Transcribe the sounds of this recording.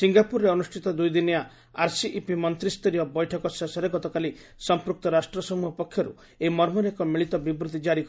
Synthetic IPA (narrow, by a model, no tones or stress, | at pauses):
siŋɡapuɾɾeɔnusʈʰit̪ɔd̪ujd̪ineja | aɾsiʔipimɔnt̪ɾist̪ɔɾijɔbɔjʈʰɔkɔsesɔɾeɡɔt̪ɔkali | sɔmpɾuk̚t̪ɔɾasʈɾɔsɔmuɦɔpɔkʰːjɔɾṵ | emɔɾmɔɾekɔmiɭit̪ɔbibɾut̪id͡ʒaɾik